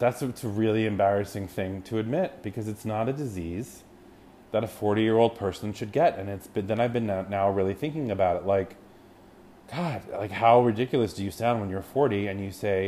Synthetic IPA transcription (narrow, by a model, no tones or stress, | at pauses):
ðætsɨsɨɹɪlˠiɨ̃mbɛɹɨsɪ̃ŋθɪ̃ŋtʰɨːd̚mɪt̚b̥ɨkʰʌzɨtsnəɾɨdɨziz | ðɨɾɨfɔɹɾijɪɹoʊlˠd̚pʰɜ˞sn̩ʃɨd̚ɡɛɾɨ̃nɨtsb̥ɨt̪ðɨ̃ñaɪvbɨ̃nnaʊɹɪlˠiθɪ̃ŋkɪ̃ŋɨbaʊɾɨtˡlaɪk | ɡ̥ɑd̥̚la̰ɪkhaʊɹɨdɪkjl̩ˠɨsd̥ɨjɨsãʊ̃ndwə̃njə˞fɔɹɾiɨ̃njɨseɪ